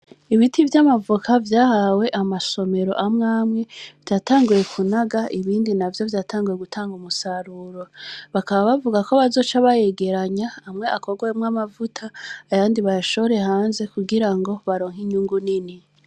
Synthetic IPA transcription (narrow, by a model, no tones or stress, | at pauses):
iβitivjamavukavjaːhawe̞ʔamaso̞me̞ɾo̞̰ʔamŋaːmŋe̞v̥jaːtaːŋɡuje̞kʰunaɡaiβiːndinavjo̞vjaːtʰaːŋɡuje̞ɡutʰaːŋɡumusaɾuɾo̞βakaβaβavuɡako̞βazo̞ːt͡ʃaβaje̞ɡe̞ɾaɲaːmŋe̞ʔako̞ɡojemŋamavutʰaːβaːndiβajaʃo̞βoɾe̞haːnze̞kuɡiɾaŋɡo̞βaɾo̞ːŋiɲuːŋɡunini